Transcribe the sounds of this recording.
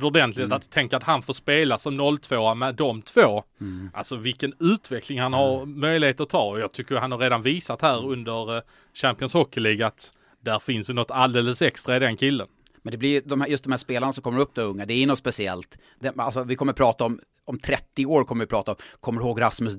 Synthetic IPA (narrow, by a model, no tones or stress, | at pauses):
d̪ɔd̪ɛnt̪lɪt̪at̪ʰːɛŋkəɾat̪hanfoːʂpeːlasɔmnɔlːt̪ʰv̥oːamɛd̪ɔmt̪ʰv̥oːʔa̰lsɔvɪlkənʉ̟ːt̪ʰvɛkʰlɪŋhanhaɾmœjlɪheːt̪əɾɔt̪ʰɑːɔjɑɡ̚t̪ʰʏkːəjhanhaɾeːd̪anviːsat̪hæːɾɵnd̪əɾ | ɕæmpɪənshɔkːɪliːɡaat̪ | d̪̥æɾfɪnsd̪ɛnɔt̪ːald̪eːlːəsɛkst̪ɾaɪd̪ɛnkʰɪlːən | mɛnd̪ɛblɪjd̪ɔmhæjɵst̪̚d̪ɔmhæːʂspeːlanɳasɔmkʰɔmːəɾɵpːd̪ɔmɵŋːad̪ɛæɾjʉnɔt̪spɛsɪɛ̰lt̪ | d̪ɛa̰lsɔvɪkʰɔmːəɾpʰɾɑːt̪aɔm | ɔmt̪ʰɾɛt̪ːɪoːɾkʰɔmːəɾvɪpʰɾɑːt̪aɔmkʰɔmːəɾɪhoːɡɾasməs